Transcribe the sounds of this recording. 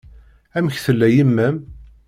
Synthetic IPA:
æməçθəlːæjimːæm

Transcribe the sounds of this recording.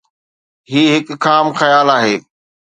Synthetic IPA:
ɦiːɦɪkʰaːmxɐjaːlaːɦeː

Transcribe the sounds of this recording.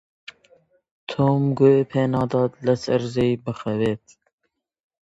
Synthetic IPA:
t̪ʰoːmɡoepʰeːnɑːd̪ɑːd̪lɐsɐɾzejbɨxɐwet̪

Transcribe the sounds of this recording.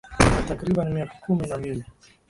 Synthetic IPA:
natakɾiɓanmiakḁkuminambili

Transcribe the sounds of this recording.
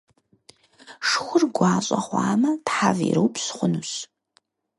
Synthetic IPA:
ʂxʷʊrɡʷɑːɕʼɐχʷɑːmɐtħavḭɾɨwpʰɕχʷʊnuɕ

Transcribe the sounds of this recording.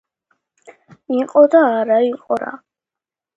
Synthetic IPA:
iqʼɔd̪aːɾaiqʼɔɾa̰

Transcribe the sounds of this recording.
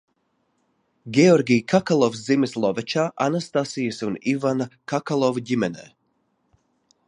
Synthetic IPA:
ɡɛoɾɡijkʰakalˠovzimislˠoʋɛt͡ʃaʔanast̪asijisunivankakalˠoʋjimɛnɛ̰

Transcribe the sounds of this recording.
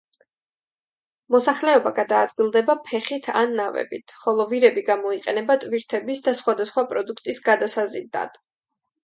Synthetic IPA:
mɔsaχlɛɔbaɡad̪aːd̪ɡilˠd̪ɛbapʰɛχit̪ʰa̰nːavɛ̰bḭt̪ʰχɔlˠɔviɾɛbiɡamɔiqʼɛnɛbat̪ʼviɾt̪ʰɛbisd̪asχwad̪asχwapʼɾɔd̪ukʰt̪ʼisɡad̪asazid̪a̰d̪̥

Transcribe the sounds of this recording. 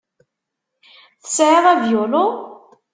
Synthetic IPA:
θə̥sʕeðævjʊlo

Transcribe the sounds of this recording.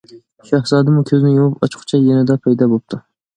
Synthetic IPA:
ʃɑhzɑːd̪ɨmukʲʰøzɪnɪjomupɑt͡ʃʰqʰʊ̥t͡ʃʰɛjenɪd̪ɛpʰɑjd̪ɑbop̚t̪ʰu

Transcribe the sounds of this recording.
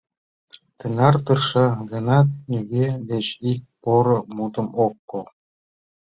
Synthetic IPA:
t̪ɘ̆nɑrt̪ɤrʃɑɡɤ̆nɑt̪nʲyɡʲedet͡ɕik̚poɾɤ̆mut̪ə̆mokːo

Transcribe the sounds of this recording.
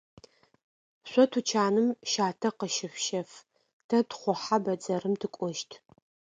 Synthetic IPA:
ɕʷɔtʰut͡ʃʰaːnɨmʃaːtʰɐqəʃɪfʃɐf | tʰɐtχʷɔħabɐd͡zɐrɨmtʰɨkʷʼɔʃtʰ

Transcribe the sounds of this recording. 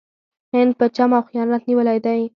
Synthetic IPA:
hɪnd̪̚pət͡ʃamawxijɑnat̪niwəlajd̪aj

